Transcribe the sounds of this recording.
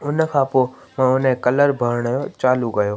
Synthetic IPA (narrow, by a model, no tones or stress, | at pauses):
ʊnfʰaːpo | mãʊnɦẽkɐləɾbʱəɾɽ̃jot͡ʃaːluɡɐjoː